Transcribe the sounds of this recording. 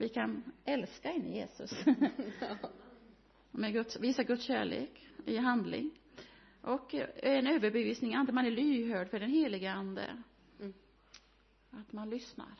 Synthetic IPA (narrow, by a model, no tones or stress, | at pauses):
vɪkʰanɛlskaɪnːəjeːsɵ̰s | mɛɡɵt̪sviːsaɡɵt̪sɕæ̰ːɭḛːkɪɦand̪lɪ̰ŋ | ʔɔkɛnøːvəɾbɛviːsnɪŋand̪əmanæɭyːhøːɖfœɖɛnɦeːlɪɡəand̪ə̰ | at̪manlʏsna̰ɾ